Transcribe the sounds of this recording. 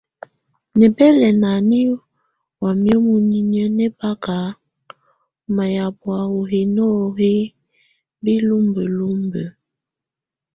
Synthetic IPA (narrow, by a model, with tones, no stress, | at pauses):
nɛ˨bɛ˦lɛ˨na˨ni˦ | wa˨mjo˦mu˨ni˦nə˦nɛ˦ba˦ka˨˦ | ma˨ja˨bwa˨wo˨ɦe˨nɔ˦he˦ | bi˦lu˦mbə˨lu˦mbə˨